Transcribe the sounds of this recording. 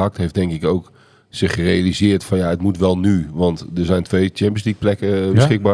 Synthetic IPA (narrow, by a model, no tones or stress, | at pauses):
ɑk̚tɦejfdɛŋkɪkowk | sɪχərejalizɪːɹtfɔnjaətmutʋɛlˠnyʋɑntdəɹzɛjntʋejt͡ʃɛmpənslik̚plɛkəbəsχɪɡ̚baː